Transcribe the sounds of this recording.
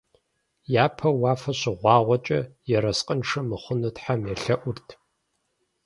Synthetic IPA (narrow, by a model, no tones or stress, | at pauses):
jaːpʰɐwɑːfɐɕɪʁʷɑːʁʷɔt͡ʃʼɐ̰jɛɾɐsqʼənʂɐmɨχʷʊnɨtħamjɛɬɐʔʷʊrtʰ